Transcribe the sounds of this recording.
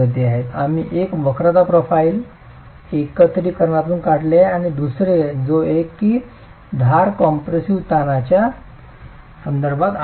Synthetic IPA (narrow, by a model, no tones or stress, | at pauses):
əd̪ʱeaɦet̪a̰m̤iʔekʋəkɾad̪apɾofaiːl | ekət̪ɾiːkəɾɳat̪uːnkaɽleeaɽ̃id̪usɾed͡zoekːiː | d̪ʱaɾkɔmpɾesiʋt̪anat͡ɕja | sənd̪əɾbʱat̪